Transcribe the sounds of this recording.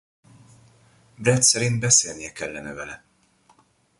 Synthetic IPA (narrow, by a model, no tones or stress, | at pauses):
bɾɛt̪sɛɾinbɛsɛːnjɛkɛlːɛnɛvɛlɛ